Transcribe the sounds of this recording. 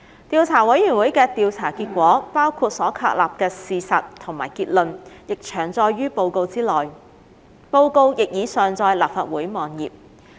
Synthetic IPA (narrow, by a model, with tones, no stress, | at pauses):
t̪iː˨˧wt͡sʰaː˨˩wɐ˨˥jyː˨˩nwuː˨˥jkɛː˧t̪iː˨˧wt͡sʰaː˨˩kiː˧t̚kʷɔː˨˥paː˥wkʰuː˧t̚sɔː˨˥kʰa̰ː˧k̚la̰ː˨p̚kɛː˧siː˨˧sɐ˨tt̪ʰo˨˩ŋmaː˨˩jkiː˧t̚lɵ˨njɪ˨k̚t͡ʃʰœː˨˩ŋt͡sɔː˧jɥyː˥po˧wko˧wt͡siː˥lɔː˨j | po˧wko˧wjɪ˨k̚jiː˨˧sœː˨ŋt͡sɔː˧jlaː˨˩p̚faː˧˨t̚wuː˨˥jmɔː˨njiː˨p̚